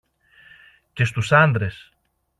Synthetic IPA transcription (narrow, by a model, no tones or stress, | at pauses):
ce̞s̬t̪usɐnd̪ɾe̞s